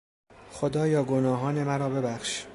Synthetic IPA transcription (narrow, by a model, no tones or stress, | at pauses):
xod̪ɒːjɒːɡonɒːɦɒːne̞mæɾɒːbe̞bæxʃ